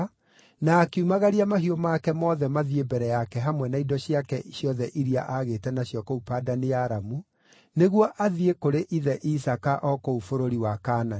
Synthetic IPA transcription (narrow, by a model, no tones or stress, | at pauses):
nakeumaɣaɾiamaɦiomakɛmɔðɛmaðiebɛɾɛjakɛɦamwɛnaidɔɕiakɛɕjɔðɛʔiɾia̰ʔaɣeːtɛnaɕjɔkɔupaːdanejaːɾamu | neɣwɔʔaðiekoɾeʔiðɛʔisakaʔɔkoufoɾoɾiwakaːna